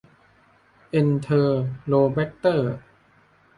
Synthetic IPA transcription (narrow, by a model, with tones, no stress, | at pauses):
ʔe˧nt̪ʰɤː˧loː˧bɛ˦˥k̚t̪ɤː˥˩